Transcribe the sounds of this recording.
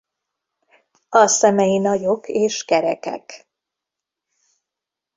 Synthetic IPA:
ɒsɛmɛjinɒjo̞keːʃkɛɾɛkɛ̰k

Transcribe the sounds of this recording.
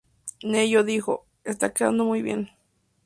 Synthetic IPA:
nejoðixo | est̪akea̰nd̪omujβjḛn

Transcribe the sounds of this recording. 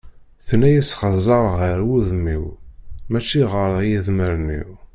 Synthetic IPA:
θnæjæsχəzˤɑɾˤʁəɾwuðəmːiwmæt͡ʃːiʁəɾˤjiðməɾnḭw

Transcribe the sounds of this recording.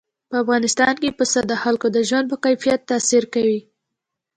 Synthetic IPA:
pəafɣɑnɪst̪ɑnkepəsad̪əxalkod̪əʒwanpəkajfijat̪ːɑsiɾkawi

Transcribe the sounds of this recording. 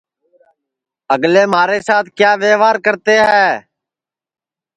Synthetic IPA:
əɡleːmaːɾeːsaːt̪̚ʰkjaːʋeːʋaːɾkəɾt̪eːɦɛː

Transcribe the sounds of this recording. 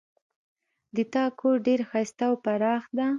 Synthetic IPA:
d̪ət̪ɑkʰoɾɖeɾxajst̪awpaɾɑxd̪a

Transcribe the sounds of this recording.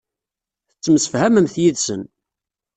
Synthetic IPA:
θət͡sːəmsə̥fhæməmθjiðsə̰n

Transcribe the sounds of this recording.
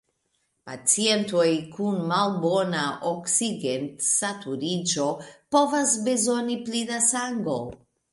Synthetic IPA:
pa̰t͡sie̞ntojkunmalbo̞naʔoksiɡentsatuɾid͡ʒo̞po̞vasbe̞zo̞niplidasaŋɡo̞̰

